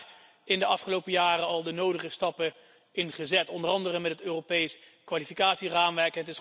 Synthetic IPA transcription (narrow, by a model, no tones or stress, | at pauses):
ɪndəɑfχəlowpəjaːrəɑlˠdənowdəχəstɑpə | ɪnχəzɛtɔndərɑndərəmɛtətøːropejskʋaːlifikaːtsiraːmʋɛɹkɦətɪs